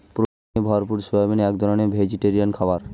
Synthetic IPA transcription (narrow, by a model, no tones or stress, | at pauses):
pɾot̪ | ebʱɔɾpuɾsubabenɛk̚d̪ʱɔɾonebʱed͡ʑiʈeɾiankʰɔbaɾ